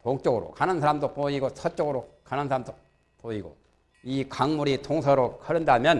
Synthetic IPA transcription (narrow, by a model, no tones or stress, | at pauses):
poŋt͡ɕ͈ʌɡɯɾo̰kanɯnsʰaɾamdopoiɡosʰʌt͡ɕ͈ʌɡɯɾokanɯnsʰaɾamdo | poiɡo̰ | ikaŋmuɾitʰoŋsʰʌɾokʰɯɾɯndamjʌn